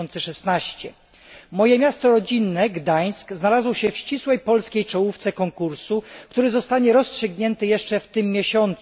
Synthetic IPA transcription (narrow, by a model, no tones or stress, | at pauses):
ɔnt̪sɛʂɛsnaɕt͡ɕɛ | mɔjɛmʲjast̪ɔɾɔd͡ʑinːɛɡd̪aj̃skznalazwɔɕɛfɕt͡ɕiswɛjpɔlskʲejt͡ʂɔwuft̪sɛkɔŋkuɾsukt̪uɾɘzɔst̪aɲɛɾɔstʂɘɡɲɛnt̪ɘjɛʂt͡ʂɛft̪ɘmːʲjeɕɔnt̪s